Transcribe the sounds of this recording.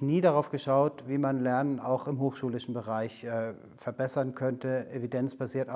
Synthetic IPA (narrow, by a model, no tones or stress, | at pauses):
niːdaʁaʊfɡ̥əʃaʊtv̥iːmanlɛɐnəna̰ʊxɪmɦoːxʃuːlɪʃn̩bəʁaɪçʔɛː | fɛɐbɛsɐnkʰœntəʔevidɛnt͡sb̥aziːɐt